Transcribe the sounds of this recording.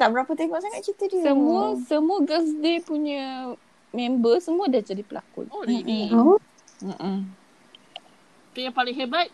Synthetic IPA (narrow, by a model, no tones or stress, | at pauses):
t̪aʔbəɾapət̪emaʔsaŋat̪̚t͡ʃit̪ədiəsəmuəsəmuəɡas̬depuɲə̃ | mɛ̃mbəsəmũədad͡ʒadipəlʔa̰kʊ̰noi | aʔa | t̪ujãpalɪŋɦebat̪̚